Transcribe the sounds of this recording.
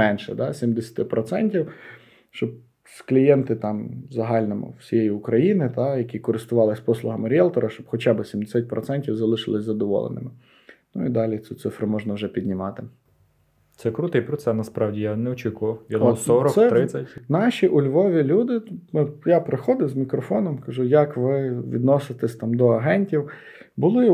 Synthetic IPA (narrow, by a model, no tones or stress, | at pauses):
mɛnʃɛd̪ɑsʲimd̪esʲɐ̥t̪ɪpɾɔt̪sɛnʲtʲiw | ʃt͡ʃɔb̚ | sklʲijɛnt̪ɪt̪ɑmzɐɦɑlʲnɔmʊ̰wsʲijejiʊkɾɐjinɪt̪ɑjɐkʲikɔɾɪst̪ʊʋɑlˠɪsʲpɔslˠʊɦɐmɪɾʲɛlˠt̪ɔɾɐʃt͡ʃɔb̥xɔt͡ʃabɪsʲimd̪esʲat̚ʲpɾɔt̪sɛnʲtʲiwzɐlˠɪʃɪlˠɪsʲzɐd̪ɔʋɔ̰lˠḛnɪ̰mɪ | nʊid̪ɑlʲit̪sʲut̪sɪfɾʊmɔʒnɐwʒɛpʲid̪ʲnʲɪmɑt̪ɪ | t̪sɛkɾut̪ɪjpɾɔsɛnɐspɾɑwdʲijanɛɔt͡ʃʲikʊʋɐwjɐd̪ɔsɔɾɔksɛɾɪt͡sʲːɐtʲnɑʃʲiʔʊlʲʋɔʋʲilʲud̪ɪnʊjapɾexɔd̪ɪwzmʲikɾɔfɔnɔmkɐʒujɐkʋɪʋʲḭd̪nɔsɪt̪ɛsʲt̪ɑmd̪ɔɐɦɛnʲtʲiw | bʊlˠɪ